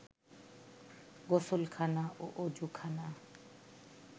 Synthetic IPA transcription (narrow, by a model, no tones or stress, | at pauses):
ɡosʊlkʰanaʔʊʔod͡ʒukʰana